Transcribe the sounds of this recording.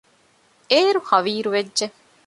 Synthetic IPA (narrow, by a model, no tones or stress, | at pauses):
eːɾuxɐʋiːɾuʋedːʒe